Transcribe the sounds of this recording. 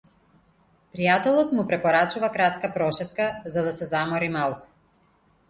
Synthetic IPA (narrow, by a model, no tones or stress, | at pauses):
pɾijat̪ɛlˠɔt̪mupɾɛpɔɾat͡ʃuvakɾat̪kapɾɔʃɛt̪̚kazad̪asɛzamɔɾimalˠku̥